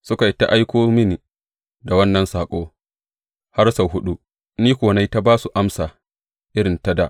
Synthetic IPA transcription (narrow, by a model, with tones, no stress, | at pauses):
sʊ˦ka˨jta˦ʔa˦jkʷoː˦mɪ˦ni˨ | da˨wɐ˦nːɐ˨nsaː˨kʷʼoː˦ | ha˦rsɐ˨ɦʊ˦ɗu˦ | niː˦kʷoː˨na˦jta˦baː˦su˨ʔa˦msaː˨ | ʔɪ˦ɾɪ˨nta˦da˨ʔ